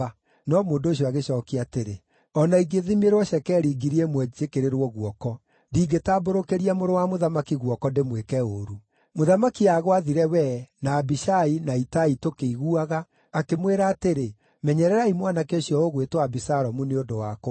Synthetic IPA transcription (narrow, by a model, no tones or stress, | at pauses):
nɔmoːndoːɕ̬jɔaɣeʃɔːkiateɾe | ɔnaiɡeðimeɾwɔɕɛkɛɾiːɡiɾiɛmwɛd͡ʒekeɾeɾwɔɣwɔkɔ | diːɡetaːboɾokeɾiamoɾowamoðamakiɣwɔkɔndemwekɛoɾu | moðamakiaɣwaðiɾɛwɛnaːbiʃainaitaitokeiɣuaɣaː | kemweɾaːteɾe | mɛɲɛɾɛɾaimwanakeoɕjɔoɣwetwabisaɾɔmuneondowako